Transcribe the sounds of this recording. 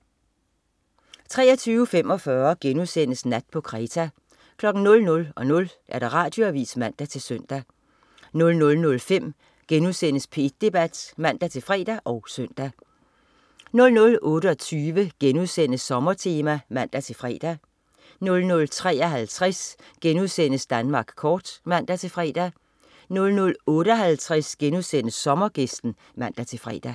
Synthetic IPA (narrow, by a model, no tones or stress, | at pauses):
t͡sʰʁɛ̰ːɐt͡sʰyːʊəfem̰ɒ̽fɶɐɡ̥enuðˠsen̰əsnæd̥̚pʰɒ̽kʰʁɛːt͡sʰæ | kʰlɒ̽ɡ̥n̩nɔ̽lnɔ̽lɒ̽nɔ̽lʔæɐɾ̥ɑ̈ʁɑ̰̈ːd̥jo̝æʋḭːsmæn̰d̥æt͡sʰe̝lsøn̰d̥æ | nɔ̽lnɔ̽lnɔ̽lfem̰ | ɡ̥enuðˠsen̰əspʰe̝d̥̚d̥e̝b̥æd̥mæn̰d̥æt͡sʰe̝lfʁɛ̰ːd̥æʔɒ̽ʊsøn̰d̥æ | nɔ̽lnɔ̽lʔɔ̽ːɾəɒ̽t͡sʰyːʋəɡ̥enuðˠsen̰əsːɒ̽mɐt͡sʰe̝ːmæmæn̰d̥æt͡sʰe̝lfʁɛ̰ːd̥æ | nɔ̽lnɔ̽lt͡sʰʁɛ̰ːɐɦælt͡sʰʁɛsɡ̥enuðˠsen̰əsd̥ænmɑ̈ːɡ̥kʰɒːd̥mæn̰d̥æt͡sʰe̝fʁɛ̰ːd̥æ | nɔ̽lnɔ̽lɔ̽ːɾəɒɦælt͡sʰʁasɡ̥enuðˠsen̰əsːɒ̽mɐɡ̥esd̥n̩ | mæn̰d̥æt͡sʰe̝fʁɛ̰ːd̥æ